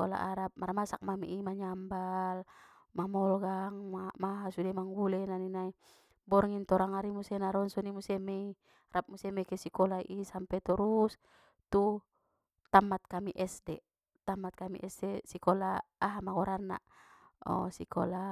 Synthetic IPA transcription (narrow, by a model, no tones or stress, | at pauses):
ɔ̰la̰ʔaɾap̚maɾmasak̚mamḭʔimaɲambal | mamɔlɔɡaŋmamaɦasudɛmaŋɡulɛnaninai | bɔrŋint̪ɔɾaŋaɾimusɛnaɾɔnsɔnimusɛmɛi | ɾap̚musɛmɛkɛsikɔlaʔisampɛt̪ɔɾus | t̪u | t̪amat̪̚kamiʔɛsdɛ | t̪amat̪̚kamḭʔɛsdɛsikɔlaaɦamakɔɾanːa̰ʔɔ̰sikɔ̰la